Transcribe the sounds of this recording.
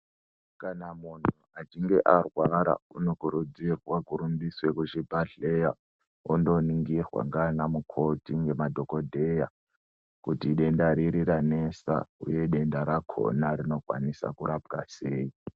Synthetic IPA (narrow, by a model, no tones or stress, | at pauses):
kanamunuat͡ʃiŋɡe̞ʔarwaɾa̰unokuɾud͡zirwakuɾumbiswekut͡ʃibʱaɮe̞ja | ondo̞niŋɡirwa̰ŋɡanamukʰo̞tiŋɡe̞madʱo̞ko̞dʱe̞ja | kutiɗe̞ndaɾiɾiranesa̰ṵje̞ɗe̞ndaɾakʰo̞̰naɾino̞kwa̰nisa̰kuɾab̚ɡaseːi